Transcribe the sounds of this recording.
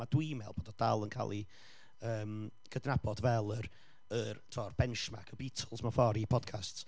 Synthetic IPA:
adwimɛlˠboːdɔd̥alˠənkʰa̰lˠi | əːmɡ̥ədnabɔdvɛlˠəɾ | ərtʰɔrbɛnʃma̰kʰəbitʰəlˠsmafɔɾipʰɔd̥̚kʰasts

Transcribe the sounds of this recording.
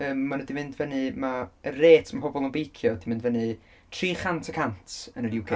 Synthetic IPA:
əːmːanədimɪndvɛnɨmaəreːtʰmapʰɔbɔlˠənbejkʰjɔdimɪndvɛnɨ | tʰriːχantʰəkʰantʰənəlɪwɡʰɛ

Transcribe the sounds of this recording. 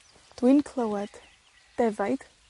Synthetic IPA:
d̥wɪnkʰlˠowɛd̥ | d̥ɛvajd̥

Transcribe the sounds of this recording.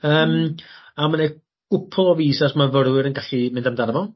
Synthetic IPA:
əːmamane | ɡʊpʰɔɔviːsasmavəɾwɪɾənɡaɬimɪndamdaɾəvɔ

